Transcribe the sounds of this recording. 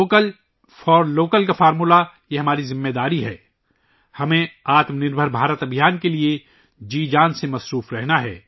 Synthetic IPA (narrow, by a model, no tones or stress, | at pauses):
kəl | fɔːɾloːkəlkafaːɾmula | jeɦɐmaːɾizɪmːed̪aːɾiɦɛː | hɐmẽaːt̪mnɪɾbʱəɾbʱaːɾət̪ɐbʱijaːnkelie | d͡ʒiːd͡ʒaːnsemɐsɾuːfɾɛɦnaɦɛ̰ː